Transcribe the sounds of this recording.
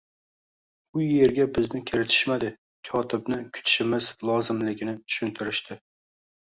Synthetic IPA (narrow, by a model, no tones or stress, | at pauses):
ʊje̞ɾɡʲabɪznɪkʲʰɪɾɪt̪ʰɪ̥ʃmad̪ɪ | kʲʰɒt̪ʰɪbnɪkʲʰʊ̥t̪ʰʃɪmɪzlˠɒzɪmlɪɡʲɪnɪt̪ʰʊ̥ʃʊnt̪ʰɪɾɪʃt̪ʰɪ